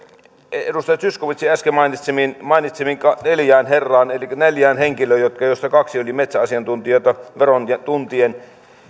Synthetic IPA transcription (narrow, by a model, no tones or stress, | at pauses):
edust̪ɑjɑt̪syskoʋit̪siæskemɑinit̪seminmɑˑinit̪semiŋkɑneljæːnherːɑːnelikːæneljæːnheŋkiløːjot̪kɑjost̪ɑkɑksiolʲimet̪sæɑsiɑnt̪unt̪iɑˑt̪ɑʋeront̪unt̪ien